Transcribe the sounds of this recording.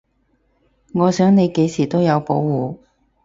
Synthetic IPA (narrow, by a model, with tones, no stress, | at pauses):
ŋɔː˨˧sœː˨˥ŋne˨˧jke˨˥jsiː˨˩t̪o˥wjɐ˨˧wpo˨˥wːuː˨